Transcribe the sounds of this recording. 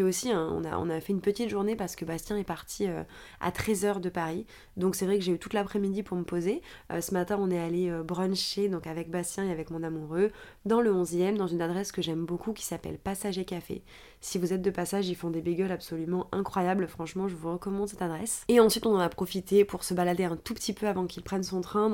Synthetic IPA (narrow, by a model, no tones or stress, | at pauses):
ɛosiɛ̃ɔ̰̃na̰ɔ̰̃nafɛynpət̪it̪ʒuʁnepaʁsə̥kəbast̪jɛ̃ɛpaʁt̪ʰiø̰ | a̰t̪χɛzœʁd̪əpaʁi | d̪ɔ̃ksɛvʁɛkəʒeyt̪ut̪lapχɛmid̪ipuʁməpozeø̰səmat̪ɛ̃ɔ̃nɛaleøbʁɑ̃ʃed̪ɔ̃kavɛk̚bast̪jɛ̃eavɛkmɔ̃namuʁø | d̪ɑ̃ləɔ̃zjɛmd̪ɑ̃zynad̪ʁɛskəʒɛmbokukʲi̥sapɛ̰lpasaʒekafḛ | sivuzɛt̪̚d̪əpasaʒilfɔ̃d̪ebeɡʲœlapsɔlymɑ̃ʔɛ̃kχwajablfχɑ̃ʃmɑ̃ʒəvuʁəkɔmɑ̃d̪sɛt̪ad̪ʁɛseɑ̃sɥit̪ɔ̃nɑ̃napχɔfit̪epuʁsəbalad̪eɛ̃t̪upə̥t̪ipøavɑ̃kilpχɛnsɔ̃t̪χɛ̃